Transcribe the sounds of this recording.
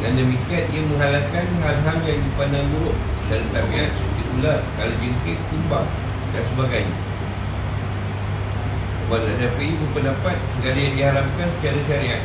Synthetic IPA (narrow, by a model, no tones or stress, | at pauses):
dandəmikiat̪̚iaməŋalakanhalɦaljadipanaŋɡuɾʊʔʃaɾit̪abiat̪̚sut̪iʔularkalad͡ʒəŋkɪt̪̚kumbaŋ | dansəbaɡajɲa | əbaʔladapəikupəndapat̪̚səkaɾajaŋdiɦaɾap̚kansə̥t͡ʃaɾaʃaɾiat̚